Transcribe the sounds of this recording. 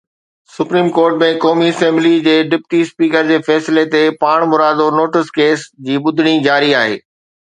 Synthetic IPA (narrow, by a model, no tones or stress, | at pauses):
sʊpɾiːmkoːɾʈmẽkɔːmiɐsẽmblid͡ʑeːɖɪp̚ʈispiːkəɾd͡ʑeːfɛːsɪlet̪epaːɽ̃mʊɾaːd̪onoːʈɪskeːsd͡ʑiːɓʊd̪ʱɪɽ̃id͡ʑaːɾiaːɦḛː